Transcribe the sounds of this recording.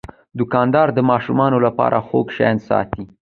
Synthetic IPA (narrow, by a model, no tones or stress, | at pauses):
d̪ʊkɑnd̪ɑɾd̪əmɑʃumɑnolapɑ̰ɾʔaxoɡʃa̰jnsɑ̰t̪i